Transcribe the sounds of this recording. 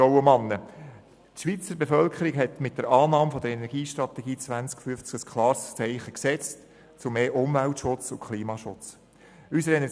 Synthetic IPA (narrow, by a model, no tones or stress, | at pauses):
ɔʊəmɑnːə | tʃʋiːt͡səɾbefœlkʰəɾɪkɦɛtmɪt̚d̥̪əɾɑːnɑːmfɔd̥̪əɾɛnɛɾɡiːʃtɾɑt̪ɛɡ̥iːt͡sʋænt͡skfyft͡sɡəskʰlɑːɾst͡sɛɪχəksɛt͡st | t͡sʊmeːʔʊmvæltʃʊt͡sʊkʰχliːmɑːʃʊt͡s | ysəɾɛnɛ